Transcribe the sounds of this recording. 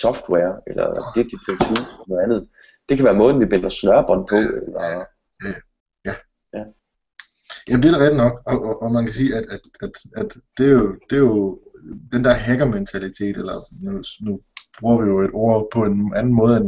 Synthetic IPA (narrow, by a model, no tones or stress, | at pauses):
sɒfd̥wɛɐelɐ̰deɡ̚d̥i̥t͡sʰesʰuelɐnoð̩ˠænð̩ˠ | d̥e̝kʰæʋæːɐmɔ̽ːðˠn̩ʋib̥enɐsnɶɐb̥ɒnpʰɔ̽elɑ | jæ | jæ | jæ | jʔæmnd̥eɐɾ̥eʁɛd̥nɒ̽ɡ̥ɒ̽ʔʔːmænkʰæsiːæd̥æd̥æd̥æd̥d̥e̝jo̝d̥e̝jo̝d̥end̥æɐɦeɡ̥ɐment͡sʰælit͡sʰe̝̰ːd̥elɐnunub̥ʁuɐʋijo̝e̝d̥o̝ɐ̰pʰɒ̽e̝nʔænn̩mɔ̽ːð̞̩ˠen